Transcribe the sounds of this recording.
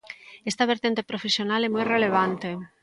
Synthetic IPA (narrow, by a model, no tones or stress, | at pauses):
est̪aβ̞eɾt̪ent̪epɾofesjonalɛmojreleβ̞ant̪e